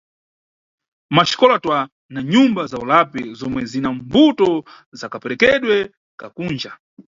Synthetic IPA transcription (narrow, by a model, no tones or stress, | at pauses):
maʃi̥kɔlatwa | naɲumbazaulapɛzɔmwɛzinambutɔ | zakapɛɾɛkɛɗwɛ | kakuːnd͡ʒa